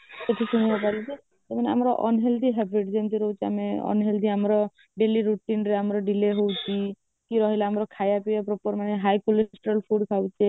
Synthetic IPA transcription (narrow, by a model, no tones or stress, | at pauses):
seʈʰisuɽ̃ibapalit͡ʃi | t̪emanea̰mɾɔʔɔ̰nɦeld̪iɦebʱiʈd͡ʒent̪iɾɔɦwt͡ʃʰia̰meɔ̰nɦeld̪iamɾɔ | ɖeliɾuʈinɾeamɾɔɖileɦowt͡ʃʰi | kiɾɔɦilaamɾɔkʰajapibapɾɔpɔɾmaneɦajkulesʈɾɔlpʰuɽkʰawt͡ʃʰe